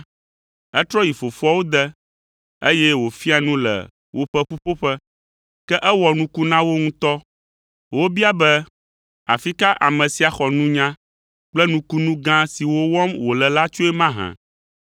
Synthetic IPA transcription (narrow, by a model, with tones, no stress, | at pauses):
ɛ˦t̪ɾɔ˦ji˨fo˨fu˦ɔ˦wo˦d̪ɛ˦ | e˦jɛ˦wo˨fi˦a˨nũ˦lɛ̰˨ | wʔo˨ɸɛ˦ɸu˦ɸo˦ɸɛ˦ | kɛ˦ʔɛ˦wɔ˨nũ˦ku˦nã˦wo˦ŋũ˦t̪ɔ˦ | wo˦bi˦a˦bɛ˦ | a̰˨fi˦ka˦ʔa˨mɛ̃˨si˨a˨xɔ˨nũ˦ɲã˦ | k͡plɛ˦nũ˦ku˦nũ˦ɡã˦si˨wo˦wɔ˦mwo˨lɛ˨la˦t͡ʃo˦ɛ˦mã˦ɦã̰˨